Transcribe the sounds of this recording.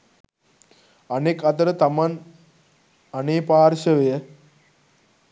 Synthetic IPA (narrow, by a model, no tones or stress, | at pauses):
ɐnekɐt̪ɐɾɐt̪ɐmɐn | ɐneːpaːɾʃɐʋɐjɐ